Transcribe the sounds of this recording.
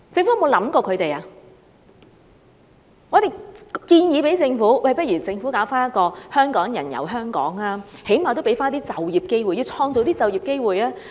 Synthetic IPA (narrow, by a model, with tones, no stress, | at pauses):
t͡sɪ˧ŋfu˨˥jɐ˨˧mo˨˧wlɐ˨˥mkɔː˧kʰɵ˨˧t̪e˨jaː˨ | ŋɔ˨˧t̪e˨jkiː˧njiː˨˧pe˨˥jt͡sɪ˧ŋfuː˨˥wɐ˨˩jpɐ˥t̚ɥy˨˩t͡sɪ˧ŋfu˨˥kaː˨˥wfaː˥njɐ˥t̪̚kɔː˧hœː˥ŋkɔː˨˥ŋjɐ̰˨˩njɐ̰˨˩wɦœː˥ŋkɔ̰ː˨˥ŋaː˧˥he˨˥jmaː˨˩t̪o˥wpe˨˥jfaː˥nt̪iː˥t͡sɐ˨wjiː˨p̚ke˥jwuː˨ji˧wt͡sʰɔː˧ŋt͡so˨˧wt̪iː˥t͡sɐ˨wji˨p̚ke˥jwuː˨jaː˦˥